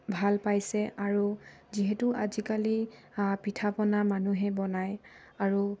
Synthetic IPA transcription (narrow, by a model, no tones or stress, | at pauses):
bʱalpajsɛʔaɹuziɦɛtuʔazikali | pitʰapɔnamanuɦɛbɔnajaɹu